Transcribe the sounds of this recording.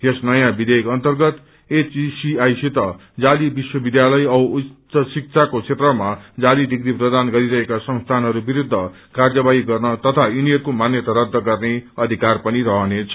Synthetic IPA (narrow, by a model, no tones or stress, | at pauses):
esnʌjãbid̪ejkʌnt̪ʌrɡʌt̪ | et͡ʃisiajsit̪ʌ | d͡zalibiswʌbid̪jalʌjʌusʌsik̚t͡sʰakot͡sʰet̪rʌmad͡zaliɖikɾiprʌd̪anɡʌɾiɾʌɦekasʌ̃ŋst̪ʰanɦʌɾubiɾud̪ʱːʌ | kard͡zʌbaiɡʌrnʌt̪ʌt̪ʰajuniʌrkomanjʌt̪aɾʌd̪ʱːʌɡʌrneʌd̪ʱikarpʌniɾʌɦʌnet͡sʰʌ̥